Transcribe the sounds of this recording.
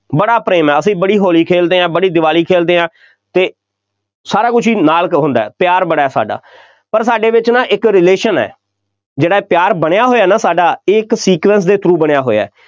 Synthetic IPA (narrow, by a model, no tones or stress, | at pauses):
bəɽaːpɾeːmɛːəsĩːbəɽiːɦoːliːkʰeːld̪eːãːbəɽiːd̪ɪʋaːliːkʰeːld̪eːɦãː | t̪eː | saːɾaːkʊt͡ʃʰiːnaːlkɦõnd̪aːɛːpɪjaːɾbəɽaːɛːsa̰ːɖa̰ː | pəɾsaːɖeːʋɪt͡ʃnãːʔɪkɾɪleːʃənɛ̰ː | d͡ʒeːɽaːeːpjaːɾbəɽjaːɦoːjaːnaːsaːɖaːɪksiːkʋɛ̃ns̬d̪eːt̪ʰɾuːbəɽ̃ejaːɦoːa̰ː